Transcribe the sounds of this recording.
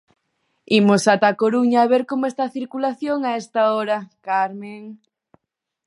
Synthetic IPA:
imosat̪akoɾuɲaːβeɾkomoest̪aθiɾkulaθjoŋaest̪aɔɾɐkaɾmeŋ

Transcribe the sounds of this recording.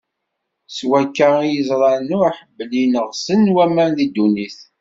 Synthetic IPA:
swækːajəzˤɾˤɑɾnuaħəbːəlinəʁsənwæmænðid̪ːuniθ

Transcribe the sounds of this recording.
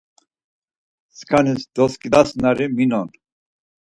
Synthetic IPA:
skʰanisd̪ɔskʼid̪asnaɾiminɔn

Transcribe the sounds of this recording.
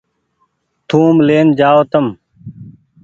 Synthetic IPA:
t̪ʰũːmleːnd͡ʒaːoːt̪əm

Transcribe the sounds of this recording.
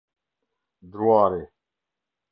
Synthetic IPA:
d̪ɾuwaːɾeː

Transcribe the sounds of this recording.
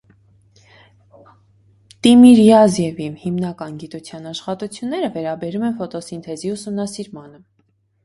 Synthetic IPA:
t̪imiɾjɑzjɛvimhimnɑkɑnɡit̪ut͡sʰjɑnɑʃχɑt̪ut͡sʰjunːɛɾəvɛɾɑbɛɾumɛnfɔt̪ɔsint̪ʰɛziusumnɑsiɾmɑnə

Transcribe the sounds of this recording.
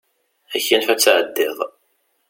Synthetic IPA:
æçːænfæt͡sːʕəd̪ːɪðˤ

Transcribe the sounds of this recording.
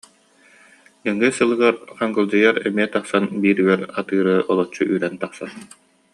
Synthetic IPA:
ɯŋːɯsɯlˠɯɡaɾχaŋɡɯlˠd͡ʑɯjaɾɛmiɛt̪aχsanbiːɾyɡɛɾat̪ɯːɾɯʔɔlˠɔt͡ɕːuʔyɾɛnt̪aχsan

